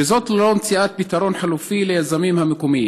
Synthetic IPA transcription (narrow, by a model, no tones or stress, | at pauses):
ɪzoːt̪lloːmt͡siʔaːt̪̚bit̪ɑɾˤoːnħaluːfiːlɪjazamiːmhamɪkumɪji